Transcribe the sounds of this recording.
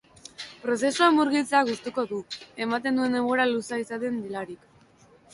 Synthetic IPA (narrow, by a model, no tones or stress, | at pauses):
pɾo̞se̞suemuɾɣilt͡seaɣust̪uko̞ðue̞mat̪e̞nd̪ue̞nemɣo̞ɾalusaisat̪end̪ilaɾik